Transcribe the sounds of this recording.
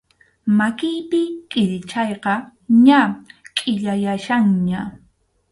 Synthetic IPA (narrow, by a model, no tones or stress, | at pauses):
makɪjpɪkʼɪʎt͡ʃajqɑɲakʼɪʎajaʃaŋɲa